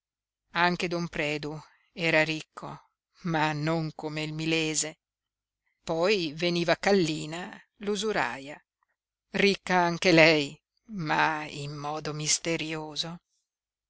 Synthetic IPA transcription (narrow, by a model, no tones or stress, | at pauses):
aŋked̪ɔmpɾɛːd̪u | ɛːɾaɾikʰːo̰ | manːoŋkomeilmileːze | pɔjveniːvakalːiːna | luzuɾa̰ːja | rikːaaŋk̟elɛj | maḭmːɔːd̪omist̪eɾjoːzo